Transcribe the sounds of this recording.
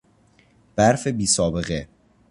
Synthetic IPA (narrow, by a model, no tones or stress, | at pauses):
b̥æɾfebiːsɒːbe̞ɣe